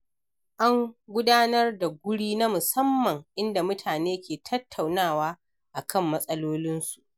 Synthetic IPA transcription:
ʔa˦ŋɡʷʊ˦daː˦nɐ˦rda˨ɡʷʊ˦ɽiː˦na˦mʊ˨sɐ˦mːɐ˨ŋʔɪ˦nda˨mʊ˦tʰaː˨neː˦kʲeː˨tʰɐ˦tʰːa˨wnaː˦˨waː˦ | ʔa˨kʰɐ˦˨mːɐ˦sʼɐ˦loː˦lɪ˦nsu̥˨ʔ

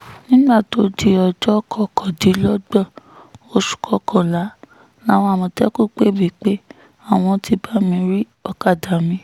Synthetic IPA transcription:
nĩ˦ɡ͡ba˦˨to˧˦di˧ɔ˨d͡ʒɔ˦kʰɔ˧˨kʰɔ˨di˨˦lɔ˦ɡ͡bɔ˦˨o˧ʃu̥˨kʰɔ˨˧kʰɔ̃˨la˨˦ | nã˦˨w̃ɔ̃˧a˦˨mɔ̃˧tɛ˦ku˦˨k͡pe˦˨bi˨˦k͡pe˦ | a˦˨w̃ɔ̃˧tʰi˧ba˦mĩ˧˦ɾi˦ | ɔ˦˧ka˦˨da˨mĩ˧

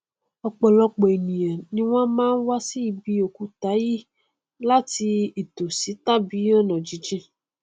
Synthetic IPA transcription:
ɔ˨k͡pɔ˨lɔ˧k͡pɔ˨e˨nĩ˨ã˨nĩ˧w̃ã˦mãː˦n̩˦wa˦si˦i˨bi˧o˨ku˧ta˨˦ji˦ | la˦ti˧i˨to˨si˨˦ta˦bi˨˦ɔ˦nã˨d͡ʒi˨˦d͡ʒĩ˦

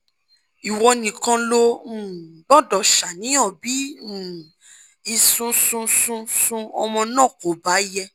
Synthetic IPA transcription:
i˨wɔ˧nĩ˨kã˧lo˧ũ˨bɔ˦˨dɔ˨ʃa˨nĩ˨˦ɔ̃˦˨bĩ˨˦˨ | i˧sũ˦sũ˦sũ˧sũ˦ɔ˧mɔ̃˧nɔ̃˦˨ko˨˦˨ba˨˦jɛ˧

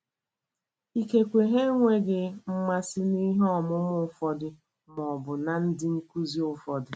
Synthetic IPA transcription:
i˦ke˨kʷe˨ɦe˦ŋʷe˦ɡɪ˨m̩˦ma˦sɪ˦ni˦ɦɔ˦˨mʊ˦mʊ˦˨˦fɔ˦dɪ˨ | m˨ɔ˨bʊ˨na˨n̩˦dɪ˦ŋ̩˦ku˦zi˦ʊ˦fɔ˨dɪ˨

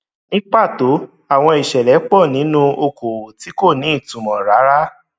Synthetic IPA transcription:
nĩ˦k͡pa˦˨to˨˦ | a˦˨w̃ɔ̃˧i˨ʃɛ˨lɛ˨˦k͡pɔ˦˨nĩ˨˦nũ˦o˧ko˨ti˨˦ko˦˨nĩ˨˦i˦˨tũ˨mɔ̃˨ɾa˨˦ɾa˦

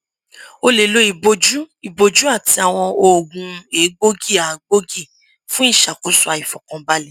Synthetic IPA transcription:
o˧le˨lo˨˦i˧˨bo˧d͡ʒu˦i˨bo˧d͡ʒu˦a˦˨ti˧a˨w̃ɔ̃˧o˦˨ɡũ˧e˨˦ɡ͡bo˦ɡi˦˨a˨ɡ͡bo˦ɡi˦˨ | fũ˦i˦˨ʃa˨ko˨˦su˦a˧˨i˨fɔ˨kɔ̃˧ba˦lɛ˦

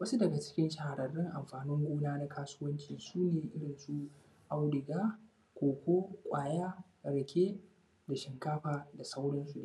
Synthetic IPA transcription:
wɐ˦su˦dɐ˨ɡa˨t͡ʃɪ̥˦kʲɪ˦nʃa˨ha˨ɽɐ˨rːɪ˦ŋʔa˨mɸaː˨nɪ˦ŋɡʷoː˦naː˦na˦kaː˦sʊ˦wɐ˦nt͡ʃiː˨suː˦neː˨ʔɪ˦ɽɪ˨nsu˦ | ʔa˦wɽɪ˨ɡaː˦ | kʷoː˨kʷoː˦kʷʼaː˨ja˦ | ɽɐ˨kʲʰeː˦ | da˨ʃɪ˨ŋkaː˦ɸaː˨da˨sa˦wɽɐ˦nsu˨n˦˨

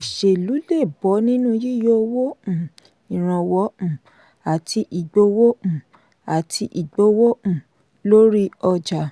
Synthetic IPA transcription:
ʃe˨lu˨˦le˦˨bɔ˨˦nĩ˦nũ˦ji˦˨jo˦wõ˦˨ | i˨ɾ̃ã˨wɔ̃˨˦˨ | a˨tʰi˧ʔi˨ɡ͡bo˧˦wõ˦˨ | a˨tʰi˧˦ʔi˨ɡ͡bo˧˦wõ˦˨ | lo˦ɾi˦ɔ˧d͡ʒa˨

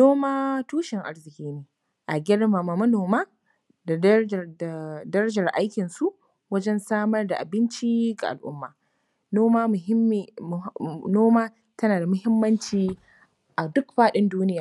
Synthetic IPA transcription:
noː˦maː˦tuː˦ʃɪ˨ŋʔa̰˦ɾzɪ˨kʲiː˦neː˨ | ʔa˨ɡʲɪ˦ɽma˨ma˨mɐ˦noː˨maː˦ | da˨˦˨da˨dɐ˦ɾɐ˦d͡ʒɐ˨rʔa˦jkʲɪ˨nsu˦ʔ | wɐ˦d͡ʒɛ˦nsaː˦mɐ˦rda˨ʔa˨bɪ˦nt͡ʃi˦ɡa˨ʔa˨lʔʊ̰˦mːaː˨ | noː˦maː˦˨˦ | noː˦maː˦ | tɐ˦naː˨da˨mʊ˦hɪ˦mːɐ˦nt͡ʃiː˨ | ʔa˨dʊ˦kɸaː˦ɗɪ˦nduː˦nɪ˦jaː˨

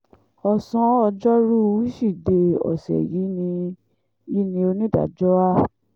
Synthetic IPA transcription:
ɔ˨sɔ̃˧˦ɔ˧d͡ʒɔ˦ɾu˦˧i˦ʃi˦˨de˧ɔ̰˨sɛ̰˨ji˨˦nĩ˧ | i˦nĩ˧o˧nĩ˦˨da̰˨d͡ʒɔ˦a˦

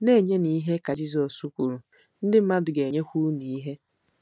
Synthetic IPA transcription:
ne˦˨ɲe˦ni˨˦i˦ɦe˦ka˨d͡ʒi˦zɔ˨su˦kʷu˨ɾu˨ | n̩˦dɪ˦m̩˦ma˦dʊ˨ɡe˨ɲe˦kʷu˦ni˨i˦ɦe˦

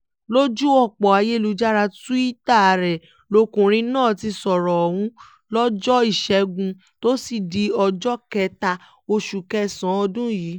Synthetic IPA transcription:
lo˦d͡ʒu˦ɔ˦˨k͡pɔ˨a˨˧je˦˨lu˧˦d͡ʒa˦ɾa˧tu˦i˦ta˦˨˧ɾɛ˨ | lo˨˧kũ˨ɾ̃ĩ˧˦nãː˦˨ti˧sɔ˨ɾɔ˨ɔ˨hũ˦ | lɔ˦d͡ʒɔ˦i˦˨ʃɛ˧ɡũ˧ | to˦si˦˨di˧˦ɔ˧d͡ʒɔ˦kɛ˧ta˧ | o˧ʃu˨kɛ˦˨sã˨˦ɔ˧dũ˦jiː˨˦

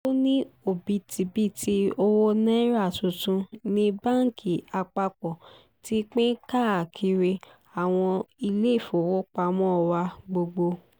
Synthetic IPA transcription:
o˦nĩ˦o˨bi˧ti˨˧bi˦˨ti˧o˧wo˦nɛ̃˦ɾa˦˨tũ˨tũ˧nĩ˦bã˦˨ŋ˨kʰi˨a˧k͡pa˧k͡pɔ˨ | ti˦k͡pɛ̃˦ka˦˨a˨kʰi˧ɾe˧ | a˨w̃ɔ̃˧i˧le˦˨fo˨wo˦k͡pa˧mɔ̃˦ɔ˨wa˧ɡ͡bo˧ɡ͡bo˧

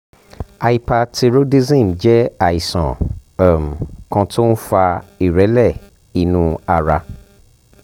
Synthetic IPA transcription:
a˧i˨pa˧ti˧ɾo˦di˦zĩ˦˨m˨d͡ʒɛ˦a˨i˨sã̰˨m˨kã˧to˦n̩˦fa˧i˨ɾɛ˨˦lɛ˦˨ | i˨nũ˧a˧ɾa˧

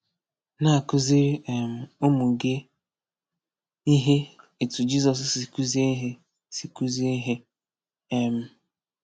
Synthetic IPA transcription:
na˦a˨kʊ˦zɪ˦ɾɛ˨m̩˨o˦mʊ˨ɡe˦ | i˦ɦe˦e˨tu˨d͡ʒi˦zɔ˨s̬si˨ku˦zi˦e˦ɦe˦ | si˨ku˦zi˦e˦ɦe˦ | e˦m̩˨

